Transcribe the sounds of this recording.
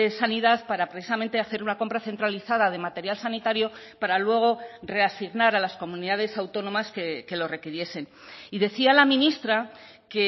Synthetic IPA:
esaniðaðpaɾapɾeθisame̞nt̪e̞aθe̞ɾunako̞mpɾaθe̞nt̪ɾaliθaðað̞e̞mat̪e̞ɾjalsanit̪aɾjo̞ | paɾalwe̞ɣ̞o̞re̞asiɣnaɾalasko̞mũniðað̞e̞sawt̪o̞nõ̞maskeke̞lo̞re̞kiɾje̞se̞n | iðe̞θialamĩnist̪ɾa | ke̞

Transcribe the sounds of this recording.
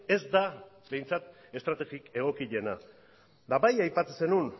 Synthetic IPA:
e̞zd̪a | be̞jnt͡sat̪ | e̞st̪ɾat̪e̞ɣike̞ɣ̞o̞kiʎe̞na | d̪aβajajpat̪ese̞nun

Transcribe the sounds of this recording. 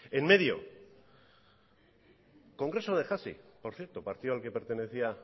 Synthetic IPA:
enme̞ð̞jo̞̰ | ko̞ŋɡɾe̞so̞ðe̞xasḭpo̞ɾθje̞ɾt̪o̞paɾt̪iðoalke̞pe̞ɾt̪e̞ne̞θia

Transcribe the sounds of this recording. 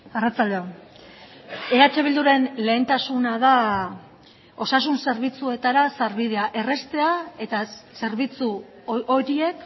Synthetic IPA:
arat͡sald̪eo | e̞at͡ʃe̞β̞ild̪uɾe̞nle̞ːnt̪asunaða | o̞sas̬unse̞ɾβit͡sue̞t̪aɾasaɾβiðe̞aʔe̞re̞st̪e̞ae̞t̪ase̞ɾβit͡su | oɾie̞k

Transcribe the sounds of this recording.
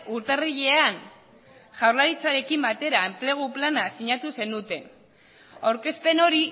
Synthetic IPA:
uɾt̪eriʎe̞an | ʝawrlaɾit͡saɾe̞kimbat̪e̞ɾaemple̞ɣ̞uplanasiɲat̪use̞nut̪e̞n | awɾke̞spe̞no̞ɾi

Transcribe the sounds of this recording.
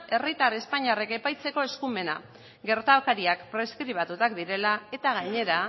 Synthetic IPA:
e̞rit̪aɾe̞spaɲiare̞kepajt͡se̞ko̞e̞skume̞na̰ | ɡe̞ɾt̪aokaɾiakpɾe̞skɾiβ̞at̪ut̪akd̪iɾe̞lae̞t̪aɣaɲe̞ɾa

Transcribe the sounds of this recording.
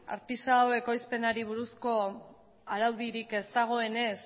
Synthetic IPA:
a̰ɾt̪isawe̞ko̞jspe̞naɾiβ̞uɾusko̞ | aɾawðiɾike̞st̪aɣ̞o̞e̞ne̞s

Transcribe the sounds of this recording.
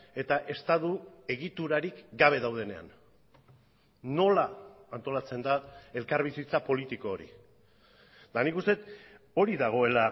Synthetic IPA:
e̞t̪aʔe̞st̪aðue̞ɣit̪uɾaɾikɡaβ̞e̞ðawð̞e̞ne̞a̰n | o̞laːnt̪o̞lat͡se̞nd̪ae̞lkaɾβisit͡sapo̞lit̪iko̞ːɾḭ | d̪anikust̪e̞t̪ | o̞ɾiðaɣ̞o̞e̞la

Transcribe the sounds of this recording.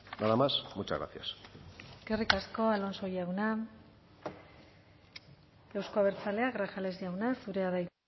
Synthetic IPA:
naðamasmut͡ʃa̰ɣɾa̰θia̰sɡ̥erikasko̞alo̞nso̞jawna | ewsko̞aβe̞ɾt͡sale̞aɣɾaxalezd̪iawnasuɾe̞aðaj

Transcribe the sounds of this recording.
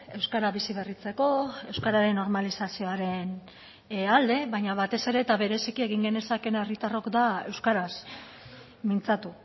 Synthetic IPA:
e̞wskaɾaβisiβe̞rit͡se̞ko̞e̞wskaɾaɾe̞nːo̞ɾmalisasio̞aɾe̞n | ald̪e̞βaɲaβat̪e̞se̞ɾe̞t̪aβe̞ɾe̞sikie̞ɣiŋɡe̞ne̞sake̞nerit̪aro̞kd̪ae̞wskaɾas | mint͡sat̪u

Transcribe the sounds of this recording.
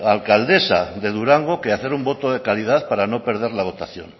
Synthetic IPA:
alkald̪e̞saðe̞ðuɾaŋɡokeaθe̞ɾumbo̞t̪oð̞e̞kalið̞aðpaɾano̞pe̞ɾð̞eɾlaβ̞o̞t̪aθjo̞̰n

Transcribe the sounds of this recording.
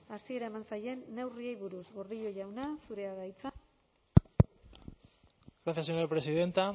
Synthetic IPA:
asie̞ɾaemansaje̞nːe̞wriejβuɾuzɣoɾðiʎo̞ʝawnasuɾe̞aɣajt͡sa | ɡɾaθjas̬eɲoɾapɾesiðe̞nt̪a

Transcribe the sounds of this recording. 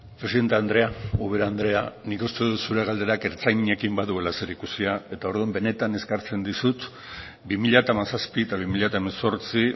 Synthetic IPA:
pɾe̞siðe̞nt̪e̞and̪ɾe̞auβeɾaand̪ɾe̞anikust̪e̞ðusuɾe̞ɣald̪e̞ɾake̞ɾt͡sajɲekimbaðue̞lase̞ɾikusiae̞t̪ao̞ɾðuembe̞ne̞t̪ane̞skaɾt͡se̞nd̪isut̪ | bimiʎat̪amasaspit̪aβ̞imiʎat̪aemeso̞ɾt͡si

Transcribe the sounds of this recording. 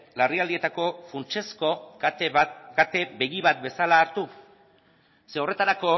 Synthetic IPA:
lariald̪ie̞t̪ako̞funt͡ʃe̞sko̞ | ɡat̪e̞be̞ɣiβat̪̚be̞salaːɾt̪u | seo̞re̞t̪aɾako̞

